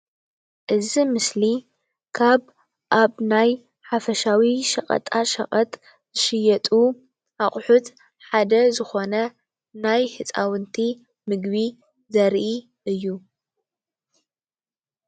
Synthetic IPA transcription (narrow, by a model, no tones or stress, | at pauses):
ʔɨzimɨsli | kʰaβ | ʔaβnaj | ħafɐʃawiʃɐ̰χʼɐ̰t̪ʼaʃɐ̰χʼɐt̪ʼ | z̥ɨʃɨjɐt̪ʼu | ʔaχʼħut̪ | ħad̪ɐzɨxo̞nɐ | najħɨt͡sʼa̰wɨnt̪ʰi | mɨɡβi | zɐɾʔi | ɨjːu